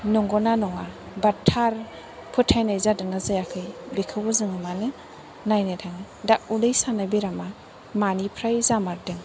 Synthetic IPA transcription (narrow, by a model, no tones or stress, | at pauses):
nɔŋɡɔnanɔŋa | batʰaɾ | pʰɯtʰajnajzadɯŋazajakʰɯjbikʰɯwbɯzɯŋɯmanɯ | najnajtʰaŋɯ | daʔ̚ulɯjsanabiɾama | manipʰɾajzamaɾdɯŋ